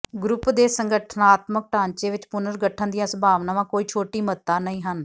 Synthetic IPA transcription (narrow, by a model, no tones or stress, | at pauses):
ɡɾʊpd̪eːsəŋɡəʈʰnaːt̪mək̚ʈãːnt͡ʃeːʋɪt͡ʃpʊnəɾɡəʈʰːənd̪ijãːsəbʱaːʋnaːʋãːkoːiːt͡ʃʰoːʈiːmət̪ːaːnəĩːɦən